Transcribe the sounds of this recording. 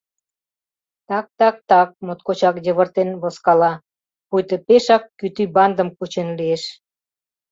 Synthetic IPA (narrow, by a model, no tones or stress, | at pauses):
t̪ɑk̚t̪ɑk̚t̪ɑk̚mot̪̚kot͡ɕɑkjəβə̆rt̪enβoskɑlɑ | pujt̪əpeʃɑkːyt̪ybɑnd̪əmkut͡ɕenlieʃ